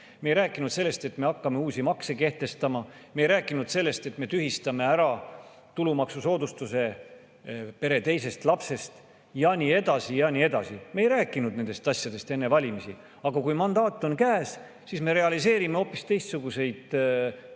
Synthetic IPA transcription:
me̞ːjɾæːkːˑinud̪selːe̞st̪e̞t̪ːme̞ɑkːɑme̞uːsʲimɑkse̞ke̞ht̪e̞st̪ɑmɑmejɾæːkːˑinud̪̥se̞lːe̞st̪e̞t̪me̞t̪yɦist̪ɑme̞æɾɑ | t̪ulumɑksuso̞ːd̪ust̪use̞ | pe̞ɾe̞t̪e̞jse̞st̪lɑpse̞st̪ | jɑnʲie̞d̪̥ɑsijɑnʲie̞d̪ɑsimejɾæːkːˑinud̪ne̞nd̪e̞st̪ɑsʲjɑd̪e̞st̪e̞nːe̞vɑlʲimisi | ɑɡɑkujmɑnd̪ɑːt̪ːˑo̞nkæːs | sisme̞ɾe̞ɑlise̞ːɾime̞o̞pːˑist̪e̞jst̪suɡ̥use̞jd̪̥

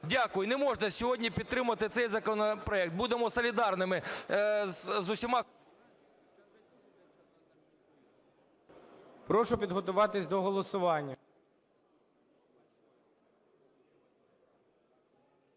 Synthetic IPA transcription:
dʲakʊjʊnɛmɔʒnɐsʲɔɦɔdʲnʲipʲid̪t̪ɾɪmʊʋɐt̪ɪt̪sɛjzɐkɔnɔpɾɔɛk̚t̪̚bud̪emɔsɔlʲid̪ɑrnɪmɪ | zzʊsʲimɑ | pɾɔʃʊpʲid̪ɦɔt̪ʊʋɑt̪ɪsʲd̪ɔɦɔlˠɔsʊʋɑnʲːɐ

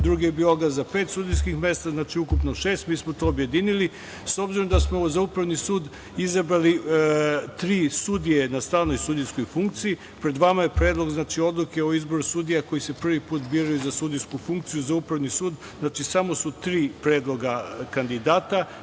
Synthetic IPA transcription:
d̪ɾuɡijebiːloɡazapet̪sud̪ijs̬kixmje̞st̪aznaːt͡ʃiukupnoʃe̞ːst̪miːsmot̪o̞ːobje̞d̪inili | so̞bziɾo̞md̪asmo̞zaupɾaʋnisuːd̪ | izabɾali | t̪ɾiːsud̪ije̞nast̪aːʋno̞jsud̪ijsko̞jfuŋk̚t̪siji | pɾe̞d̪ʋamaje̞pɾe̞ːd̪lˠo̞ɡznaːt͡ʃio̞d̪luke̞oizbo̞ɾusud̪ijako̞jise̞pr̩ʋipuːt̪biːɾajuzasud̪ijskufuŋkt̪sijuzaupɾaʋnisuːd̪ | znaːt͡ʃisamo̞sut̪ɾiːpɾed̪lˠo̞ɡakand̪id̪aːt̪a

